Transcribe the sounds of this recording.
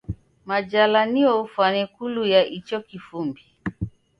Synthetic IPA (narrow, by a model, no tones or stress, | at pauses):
mad͡ʒalaniɔufwanɛkulujaʔit͡ʃɔkifumbi